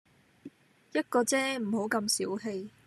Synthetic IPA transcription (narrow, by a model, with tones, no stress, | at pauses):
jɐ˥t̚kɔː˧t͡sɛː˥m̩˨˩ho˨˥wkɐ˧msiː˨˥wɦe˧j